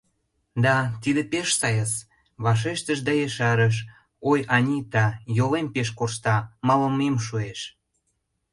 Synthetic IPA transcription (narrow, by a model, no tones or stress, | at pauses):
d̪ɑt̪id̪epeʃsɑjəs | βɑʃ̬eʃt̪əʃd̪ɑjeʃɑɾəʃ̬ | ojɑnʲit̪ɑjolempeʃ̬korʃt̪ɑmɑlə̆memʃ̬ueʃ